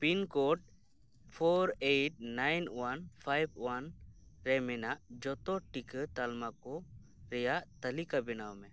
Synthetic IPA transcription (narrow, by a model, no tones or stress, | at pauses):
pinkɔʈ̚ | pʰɔɾeʈ̚najnwanpʰajb̚ʰwanɾɛmɛnaʔd͡ʒɔt̪ɔʈikət̪almakɔ | ɾɛjaʔt̪əlikabɛnawmɛ̃